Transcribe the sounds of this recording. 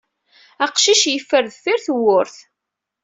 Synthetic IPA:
æqʃiʃjəfːəɾðfiɾθwʊɾθ

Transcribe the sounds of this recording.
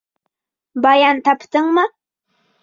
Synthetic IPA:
bɑjɑnt̪ʰɑpt̪ɪŋmə

